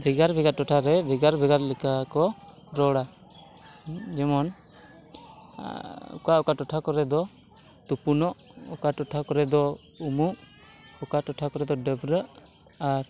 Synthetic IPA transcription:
bʱiɡaɾbʱiɡaʔʈɔʈʰaɾɛbʱiɡaɾbʱɛɡaɾlɛkakɔ | ɾɔɽa | d͡ʒɛmɔn | ṵkaɔkaʈɔʈʰakɔɾɛd̪ɔ | t̪upunɔʔɔkaʈɔʈʰakɔɾɛd̪ɔ | umuʔ | ɔkaʈɔʈʰakɔɾɛd̪ɔɖəbɾəʔ | aɾ

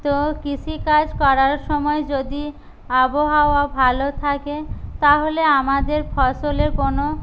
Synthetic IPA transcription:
t̪okit͡ɕʰikad͡ʑkɔɾaɾʃɔmɔed͡ʑod̪i | aboɦaoabʱalot̪ʰaket̪aɦoleamad̪eɾfʰɔʃoleɾkono

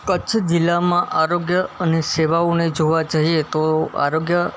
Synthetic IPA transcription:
kət͡ʃʰd͡ʒilːamãʔaɾoɡjəəneseʋaoned͡ʒoʋad͡ʒaɦiet̪oa̰ɾoɡjə

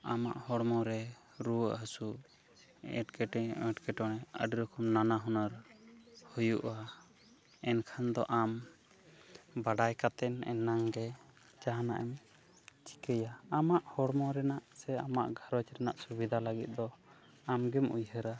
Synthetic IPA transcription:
ama̰ʔhɔɽmɔɾɛ | ɾuwəʔɦəsu | ɛ̰ʈkɛʈɛɛʈkɛʈɔnɛə̰ɖɾɔkʰɔmnanaɦɔnəɾ | hujuʔa | ɛnkʰand̪ɔ̰ʔam | baɖajkat̪ɛnɛ̰nːaŋɡɛ | d͡ʒaɦana̰ʔɛm | t͡ʃi̥kəjaamaʔhɔɽmɔɾɛnaʔsɛamaʔɡʱaɾɔt͡ʃɾɛnaʔsubid̪ʱaləɡit̪̚ˀd̪ɔ | amɡɛmujɦəɾa

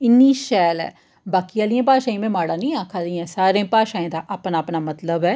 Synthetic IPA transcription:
ɪnːiːʃɛːlɛ̰ː | baːkiaːlɪjãːpaːʃãːĩːmɛ̃ːmaːɽaːnĩːaːkʰːaːlĩãːsaːɾẽːpaːʃãːẽːd̪aːʔaːpnaːpnaːmət̪ləbɛː

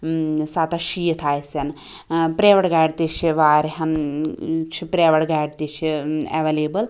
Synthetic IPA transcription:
sat̪ɐʃijit̪ʰaːjsɐn | pɾeːʋɐʈɡaːɖt̪iʃiʋaːɾiɦɐn | t͡ʃʰipɾeːʋɐɽɡaːɖt̪it͡ʃʰḛʋeleːbɐl

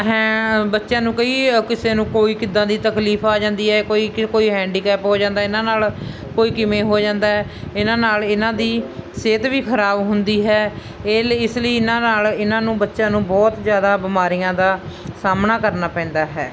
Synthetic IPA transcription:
ɦɛ̃ːbətːʃjãːnũːkəiːkɪseːnũːkoːiːkɪd̪ãːd̪iːt̪əkliːpʰaːd͡ʒãːnd̪iːɦɛːkoːiːkoːiːɦɛ̃ːɳɖiːkɛːpɦoːd͡ʒãːnd̪aːɪnãːnaːl | koːiːkɪmẽːɦoːd͡ʒãːnd̪aːɦɛːɪnãːnaːlɪnãːd̪iːseːt̪ʋiːkʰəɾaːbɦʊnd̪iːɦɛː | eːɪsləiːɪnãːnaːlɪnãːnũːbətːʃjãːnũːbɔːt̪zjaːd̪aːbɪmaːɾijãːd̪aːsaːmnaːkəɾnaːpɛ̃ːnd̪aːɦɛ̰ː

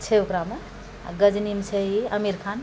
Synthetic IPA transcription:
t͡ʃʰeukɾame | ɡəd͡ʒnimt͡ʃʰəɦiəmiɾkʰan

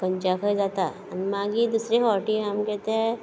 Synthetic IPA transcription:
kɐ̃ɲt͡ʃakʰəd͡ʒaːt̪a | ɐnmãːɡid̪uːsɾeɦɔːɾʈiɦɐmkɛɦt̪ẽɦɛ̃

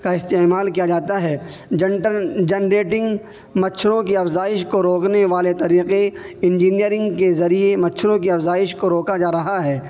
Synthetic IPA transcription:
kaɪst̪eːmaːlkijad͡ʒaːt̪aɦɛː | d͡ʒɐnɾeːʈɪ̃ŋɡ | mɐtːʃʰɾõkiɐfzaːɪʃkoɾoːkneʋaːlet̪ɐɾiːqeɪ̃nd͡ʒiːnijəɾɪ̃ŋɡkezɐɾiemɐtːʃʰɾõkiɐfzaːɪʃkoɾoːkad͡ʒaːɾɐɦaɦɛː

